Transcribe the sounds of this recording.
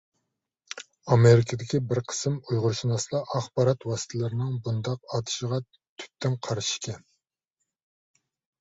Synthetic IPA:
ɑmeɾɪkʰɪd̪ɪkʲibɪɾqʰə̥sɨmujʁʊɾʃinɑsɨlˠɑʔɑχbɑɾɑt̪wɑsɨ̥t̪ʰɪlɪɾɪnɪŋbund̪ɑq̚ɑt̪ʰɨ̥ʃəʁɑ | t̪ʰy̥t̪ːɪŋqʰɑɾʃi̥ʃkʲɛn

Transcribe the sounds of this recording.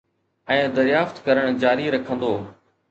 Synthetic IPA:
ɛ̃ːd̪ɐɾɪjaːft̪kɐɾəɽ̃d͡ʑaːɾiɾɐkʰə̃nd̪oː

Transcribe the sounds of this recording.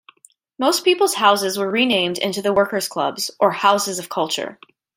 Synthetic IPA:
moʊspipl̩ˠz̥haʊsɨzwə˞ɹinẽɪ̃mdɪ̰̃ntʉðəwɜ˞kə˞z̥kʰl̥ʌ̰bz̥ʔə˞haʊsɨzʌv̥kʰʌlˠt͡ʃə̰˞

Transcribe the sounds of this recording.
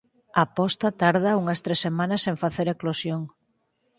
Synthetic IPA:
apɔst̪at̪aɾðauŋɐst̪ɾesːemãnɐseɱfaθeɾeklosjoŋ

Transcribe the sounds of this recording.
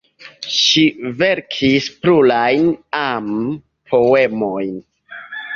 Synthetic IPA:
ʃive̞ɾkʰispɾulajnam | pʰo̞e̞mo̞jn

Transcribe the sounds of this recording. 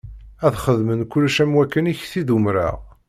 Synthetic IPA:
æðχəðmənkʊlːʃæmwækːəniçθiðumɾa̰ʁ

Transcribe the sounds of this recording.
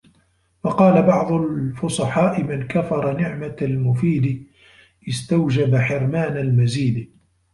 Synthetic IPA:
wɑqɑːlabɑʕd̪ˤʊlfʊsˤɑħɑːʔɪmankafɑɾˤɑnɪʕmalmʊfiːd̪ɪ | ʔɪst̪awd͡ʒabaħɪɾmaːnalmaziːd̪

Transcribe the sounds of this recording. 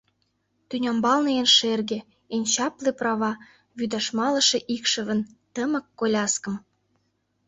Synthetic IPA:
t̪ynʲɑmbɑlnɤjenʃerɣĕ | enʲt͡ɕɑpleprɑβɑ | βyd̪ɑʃmɑlə̆ʃĕʔikʃə̆βə̆nt̪əmə̆kːolʲɑskə̆m

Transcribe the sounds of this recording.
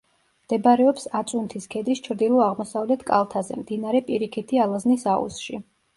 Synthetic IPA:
md̪̥ɛbaɾɛɔpsat̪sʼunt̪ʰiskʰɛd̪ist͡ʃʰɾd̪ilˠɔaʁmɔsavlɛt̪ʰkʼa̰lˠt̪ʰazɛ̰md̪inaɾɛpʼiɾikʰit̪ʰialˠaznisaṵsʃi

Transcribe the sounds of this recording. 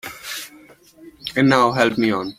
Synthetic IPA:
ɛ̃nːaʊɦɛlpmiɔ̃n

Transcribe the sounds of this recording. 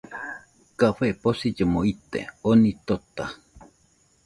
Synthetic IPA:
kafeʔposid͡ʒemoit̪ḛonĩt̪ot̪a

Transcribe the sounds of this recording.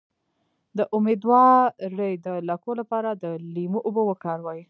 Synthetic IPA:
d̪əʔʊmed̪wɑːəjd̪əlakolapɑɾad̪əlimuʔʊbəwəkɑɾwɑji

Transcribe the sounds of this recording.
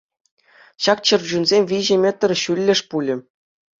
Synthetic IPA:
ɕɑk̚t͡ɕɤ̆rd͡ʑunzʲemʲʋʲiʑɘ̆mʲet̪ːɤ̆rɕylʲːɘ̆ʂpulʲɘ̆

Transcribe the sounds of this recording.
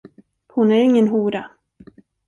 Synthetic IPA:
hʊnæɾɪŋːənɦuːɾa

